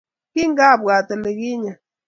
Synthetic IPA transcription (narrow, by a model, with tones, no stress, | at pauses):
ki˦ŋ˦ɡa˦˨ba˨tə˨le˨ɣi˦ɲa˨